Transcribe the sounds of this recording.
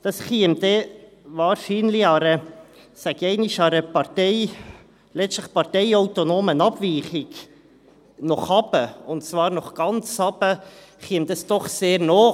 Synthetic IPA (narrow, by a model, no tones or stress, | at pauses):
d̪̥ɑsχiəmd̥̪e | vɑːɾʃiːnliɑɾə | sæɡ̥ɛɪnɪʃɑɾəpɑtɛɪ | lɛt͡sstləχpɑɾtɛɪaʊt̪onoːmənɑbviːχɪɡ | nɔχhɑbəʊntt͡svɑːɾnɔχɡ̥ɑnt͡shɑb̥ə | χiəmd̥̪ɑsd̥ɔχseːɾnɔː